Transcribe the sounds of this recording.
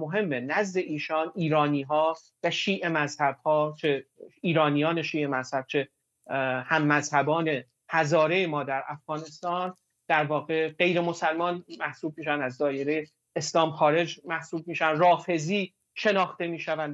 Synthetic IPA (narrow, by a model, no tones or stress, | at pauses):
moɦe̞mːenæzd̪e̞ʔiːʃɒːniːɾɒːniːɦɒː | væʃiːʔemæzhæb̥̚hɒːt͡ʃʰeiːɾɒːnijɒːne̞ʃiːe̞mæz̥hæb̥̚t͡ʃʰe̞ | hæmːæzhæbɒːne̞ | hæzɒːɾe̞jemɒːd̪æɾʔæfɣ̥ɒːne̞st̪ɒːn | d̪̥æɾvɒːɣe̞ɢe̞jɾe̞mo̞sælmɒːnmæhsuːb̚miːʃænæzd̪ɒːje̞ɾejeː | slɒːmxɒːɾe̞d͡ʒmæhsuːb̚miːʃænrɒːfe̞ziː | ʃe̞nɒːxt̪e̞miːʃævænd̪